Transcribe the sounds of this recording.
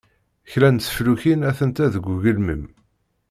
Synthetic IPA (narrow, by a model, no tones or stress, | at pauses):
çlænsə̥fluçinæθənt̪æðəɡʷuʝəlməm